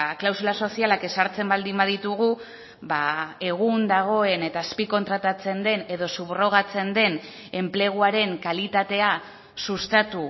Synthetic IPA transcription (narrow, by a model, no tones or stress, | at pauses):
klawsulaso̞sialake̞saɾt͡se̞mbald̪imbaðit̪uɣ̞u | bae̞ɣ̞und̪aɣ̞o̞e̞ne̞t̪aːspiko̞nt̪ɾat̪at͡se̞nd̪e̞ne̞ðo̞suβro̞ɣ̞at͡se̞nd̪e̞n | e̞mple̞ɣ̞uaɾe̞ŋkalit̪at̪e̞a | sust̪at̪u